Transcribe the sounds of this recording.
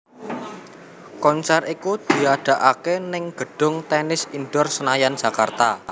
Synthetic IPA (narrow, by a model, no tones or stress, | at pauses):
kɔnt͡ʃarikud̪̥i̤aɖ̥a̤ʔakenɪŋɡ̥ə̤ɖ̥ʊŋt̪ɛnɪsinɖɔrsənajand̥ʒ̥a̤kart̪a